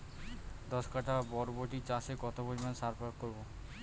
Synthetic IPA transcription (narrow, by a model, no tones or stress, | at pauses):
d̪ɔskaʈabɔɾboʈit͡ɕãsekɔt̪obod͡ʑmansaɾpɾakkoɾbo